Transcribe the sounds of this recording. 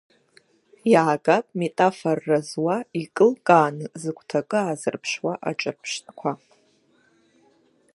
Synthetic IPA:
jaːɡapʼmetʼaforːazwaikʼɨlkʼaːnɨzɨkʷʰʼtʰakʼɨazɨrpʰʃwaʔa̰ʈ͡ʂʼapʰʂtʼkʷʰa

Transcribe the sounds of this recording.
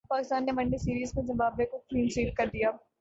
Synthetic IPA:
paːkɪst̪aːnːeʋɐɳːesiːɾiːzkẽzɐmbaːbekokɾiːnsiːʈkɐɾd̪ija

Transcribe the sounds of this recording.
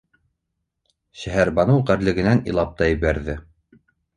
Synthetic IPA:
ɕæɦæɾbɑnɤwʁæɾlɘ̆ɡɘ̆nænḭlˠɑp̚t̪ɑjɘ̆βæɾðɘ

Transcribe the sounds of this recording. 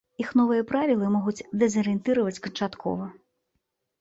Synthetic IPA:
ixnɔvɨjɐpɾavʲilˠɨmɔɣut͡sʲd̪ɛzɐɾɨɛnt̪ɨɾɐvɐt͡sʲkɐnt͡ʂat̪kʰɔ̰vɐ

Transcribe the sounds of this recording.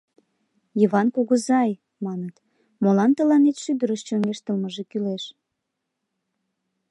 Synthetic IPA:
jəβɑnkoɣəzɑj | mɑnət̪ | molɑnt̪əlɑnet̪ʃyd̪əɾəʃt͡ɕoŋeʃt̪əlməʒekyleʃ

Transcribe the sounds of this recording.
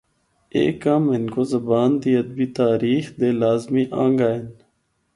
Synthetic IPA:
ḛːkːaːmɪnkozɐbaːnd̪iːɐd̪̚biːt̪aːɾiːxd̪eːlaːzmiːʔãːŋɡaːɪn

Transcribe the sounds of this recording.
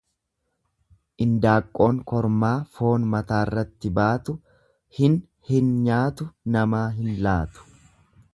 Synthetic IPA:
ʔɪnd̪aːkʼːo̞ːŋkɔɾmaːfo̞ːnmɐt̪aːrːɐt̪ːɪbaːt̪ʊ | hɪn | hɪnɲaːt̪ʊnɐmaːɦɪnlaːt̪ʊ̥

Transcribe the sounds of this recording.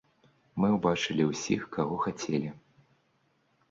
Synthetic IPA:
mɨwbat͡ʂɨlʲiwsʲixkaɣɔxat͡sʲɛlʲi

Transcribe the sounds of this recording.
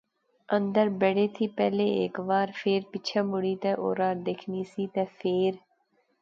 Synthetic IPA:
ə̃nd̪əɾbeɽeːt̪ʰiːpɛːleːḛːkʋaːɾpʰeːɾpɪt͡ʃʰaːmʊɽiːt̪ɛːʔo̰ːɾaːɾd̪eːkʰniːsiːt̪ɛːpʰeːɾ

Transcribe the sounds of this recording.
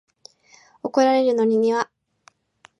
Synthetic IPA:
o̞ko̞ɾaɾe̞ɾɯ̟no̞ɲ̟iɲ̟iβa

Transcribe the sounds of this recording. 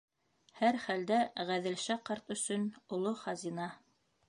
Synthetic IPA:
hæɾχæld̪æʁæðɘ̆lʃæqɑɾt̪ɵ̆sɵnŏlˠoχɑzinɑ

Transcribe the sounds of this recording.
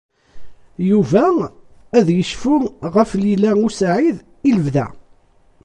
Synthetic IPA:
juvæ | æðjəʃfʊʁəflilæusʕið | iləvðæ̰

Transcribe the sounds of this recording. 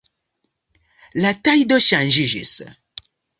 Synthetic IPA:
latajdɔʃan̩ʒiʒḭsə̰

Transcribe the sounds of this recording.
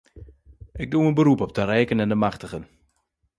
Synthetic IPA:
ʔɪɡ̚duənbəɾupɔp̚dəɾɛjkənɛndəmaχtəɣən

